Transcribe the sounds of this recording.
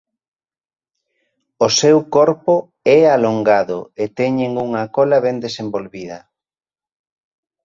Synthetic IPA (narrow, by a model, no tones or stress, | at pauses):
osewkɔɾpo | ɛaloŋɡaðo̰et̪ɛɲeŋuŋakɔlaβɛnd̪esembolβiðɐ̰